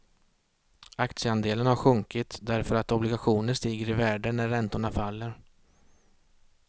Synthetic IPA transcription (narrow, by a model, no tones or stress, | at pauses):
akt̪sjəand̪eːlənhaɾɧɵŋkɪt̪d̪æɾfœɾat̪ɔblɪɡaɧuːnənʂt̪iːɡəɾɪvæːɖənæɾːɛnt̪ʊɳafalːəɾ